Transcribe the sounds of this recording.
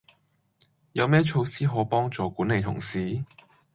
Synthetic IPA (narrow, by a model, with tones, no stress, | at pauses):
jɐ˨˧wmɛː˥t͡ʃʰo˧wsiː˥ɦɔː˨˥pɔː˥ŋt͡sɔː˨˧kuː˨˥ne˨˧jt̪ʰʊ̰˨˩ŋsiː˨˥